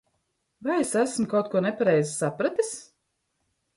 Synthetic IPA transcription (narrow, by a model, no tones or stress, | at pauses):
vajesæsmkawt̪̚kuɔnepaɾɛjzisapɾat̪is